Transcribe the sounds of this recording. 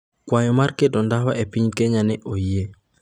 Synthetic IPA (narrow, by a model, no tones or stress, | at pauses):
kwajɔmarkedɔndaɦwaepiɲkɛɲanɛʔoie